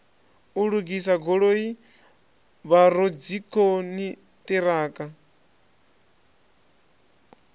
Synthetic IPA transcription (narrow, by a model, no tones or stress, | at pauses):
uɺuɡisaɡɔɺoi | βaɾod͡zikʰoni | t̪ʼiɾaːkʼa